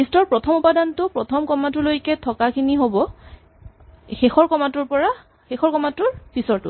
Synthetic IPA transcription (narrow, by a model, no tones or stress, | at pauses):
istɔɹpɹɔtʰɔmupadantʊpɹɔtʰɔmkɔmatʊlojkɛtʰɔkakʰiniɦobɔ | xexɔɹkɔmatʊɹpɔɹa | xexɔɹkɔmatʊɹpisɔɹtʊ̰